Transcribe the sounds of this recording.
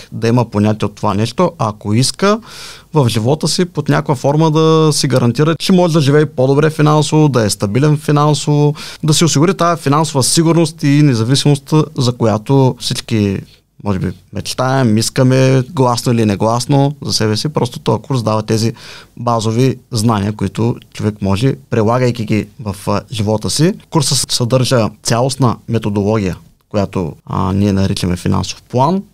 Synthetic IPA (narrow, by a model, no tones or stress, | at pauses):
d̪ɐiməponʲat̪iɛot̪ːovanɛʃt̪oʔɐkoiskəvɐfʒivɔt̪əsipot̪nʲakojəfɔɾməd̪ɐsiɡɐɾɐnt̪iɾət͡ʃɛmɔʒɛd̪ɐʒivɛjpod̪obɾɛfinansovod̪ɐɛst̪ɐbilɛnfinansovod̪ɐsiosiɡʊɾit̪ajɐfinansovəsiɡuɾnost̪inɛzɐvisimost̪zɐkojat̪ofsit͡ʃki | mɔʒɛbḭmɛt͡ʃt̪aɛmiskəmɛɡlˠasnoilinɛɡlˠasnozɐsɛbɛsipɾɔst̪o̥t̪ɔjkuɾs̬d̪avɐt̪ɛzibazoviznaniəkoit̪ot͡ʃovɛkmɔʒɛpɾilˠaɡəjkʲiɡʲivɐfʒivɔt̪əsikuɾsəsɐd̪ɤɾʒət̪sʲalˠosnɐmɛt̪od̪olˠɔɡʲijə | kojat̪o̰niɛnɐɾit͡ʃɐmɛfina̰nso̥fplˠan